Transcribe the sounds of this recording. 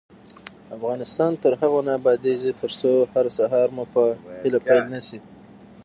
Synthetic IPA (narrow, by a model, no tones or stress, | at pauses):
afɣɑnɪst̪ɑnt̪əɾhaɣonɑbɑd̪ezit̪əɾsohaɾsaɦɑɾmupəhɪlapajlnasi